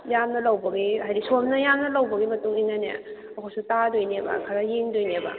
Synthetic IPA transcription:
jamnɐlɐwbɐɡiɦajɾisʰomnɐjamnɐlɐwbɐɡimɐtuŋinːɐnḛ | ɐkʰawsutadojnebɐ̰kʰaɾajeŋdojnebɐ̰

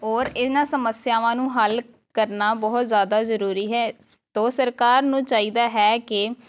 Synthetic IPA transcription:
oːɾɪnãːsəməsjaːʋãːnũːɦəl | kəɾnaːbɔɦʊt̪zjaːd̪aːzəɾuːɾiːɦɛː | t̪oːsəɾkaːɾnũːt͡ʃaːiːd̪aːɦɛːkɪ

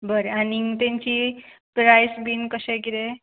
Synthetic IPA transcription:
bəɾeãniŋt̪ẽɲt͡ɕipɾajsbinkəseɡiɾe

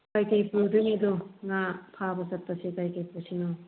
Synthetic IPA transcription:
kajkajpudɯŋeduŋapʰabɐsɐtːɐsikajkajpusinɔ

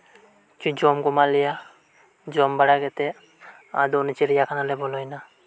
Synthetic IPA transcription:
t͡ʃud͡ʒɔmɡɔmalɛja | d͡ʒɔmbaɽaɡɛt̪ɛ | a̰d̪ɔnit͡ʃiɾijakʰanalɛbɔlɔjna

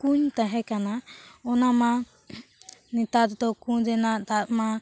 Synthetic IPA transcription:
kuɲt̪aɦɛkanaɔnama | nit̪ad̪d̪ɔkuɲd͡ʒɛnad̪at̪̚ma

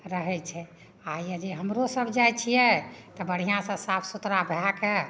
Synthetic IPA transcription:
ɾəɦɛt͡ʃʰɛ | ajjɛd͡ʒeɦəmɾosəbd͡ʒajt͡ʃʰijɛt̪ɔbəɽ̤ijãsə̃sapʰsut̪ɾabʱake

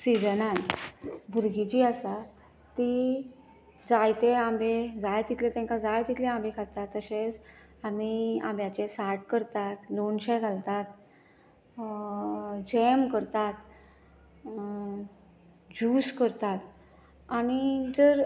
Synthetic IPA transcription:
sid͡zənanbʱuɾɡit͡ɕiːəsa | t̪i | d͡zajt̪eambed͡zajt̪it̪let̪ɛ̃ŋkad͡zajt̪it̪lẽambekʰat̪at̪ːəɕet͡s | amia̰mbjat͡ɕesaɾʈkəɾt̪at̪lonɕɛɡʱalt̪at̪ | d͡ʑemkəɾt̪at̪ | d͡ʑuskəɾt̪at̪ | añid͡zəɾ

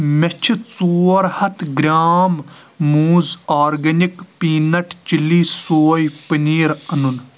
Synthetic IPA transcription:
met͡ʃʰit͡suːɾhɐt̪ʰɡɾʲaːmː | uːzaːɾɡɐnikpiːnɐʈʰt͡ʃiliːsoːjpɨniːɾɐnun

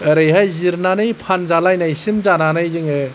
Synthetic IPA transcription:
ɯɾɯjɦajziɾnanɯjpʰanzalajnajsimzananɯjzɯŋɯ

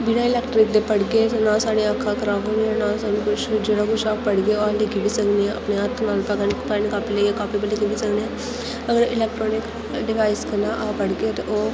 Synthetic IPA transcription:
bɪnãːɪlɛːkʈɾɪk̚d̪eːpəɽɡeːt̪ːnãːsaːɽeakʰːaːkəɾaːkəneãnãːsaːnũkʊt͡ʃʰd͡ʒeːɽakʊt͡ʃʰaːpəɽɡeːoalekibiːsəkneɛ̃ə̰pneɦət̪ʰnaːlpəɡənpɛːnkaːpileːeːkaːpibələɡibiːsəkneɛ̃ː | əɡəɾɪlɛːk̚ʈɾɔːnɪk | ɖɪʋaːɪskəɾnaːʔapəɽɡeːt̪ʔoː

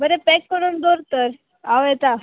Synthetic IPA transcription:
bəɾepekːəɽuːnd̪oɾt̪əɾ | aʋɛt̪a

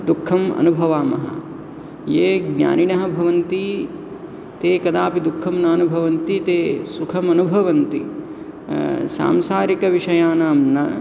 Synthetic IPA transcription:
d̪ukʰːɐmɐ̰nubʱɐʋaːmɐɦɐ̰ | jeːɡnʲa̰ːniɳɐɦɐbʱɐʋɐnt̪i | t̪eːkɐd̪aːpid̪ukʰːɐmnaːnubʱɐʋɐnt̪it̪eːsukʰɐmɐnubʱɐʋɐnt̪i | sa̰ːmsaːɾikɐʋiʂɐjaːnaːmnɐ

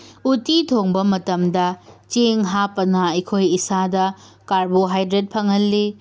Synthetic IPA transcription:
utitʰoŋbɐmɐtɐmdɐt͡ʃeŋɦapːɐnɐɐjkʰojisadɐ | kaɾboɦajdɾet̚pʰɐŋɐlːi

